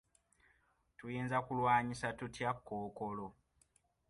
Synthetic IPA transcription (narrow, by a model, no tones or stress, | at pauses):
tujeːnzakulwaːɲisatutjakːoːko̞lo̞